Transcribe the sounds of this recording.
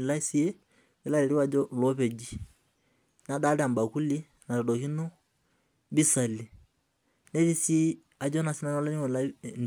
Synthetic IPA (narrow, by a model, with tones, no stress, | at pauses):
la˦si˦e˦ | ɪ˦la˦lɛ˨ɾi˦wa˨d͡ʒɔ˦lɔ˦pɛ˨d͡ʒi˦ | na˨da˦ɾa˨mba˨ku˦li˦ | na˨ɾɔ˨dɔ˨ki˦nɔ˦ | bi˦sa˨li˨ | nɛ˦ti˦si˦ | a˨d͡ʒɔ˦na˨si˦na˦n˦ɔ˦la˦ni˦ɔ˨la˦˨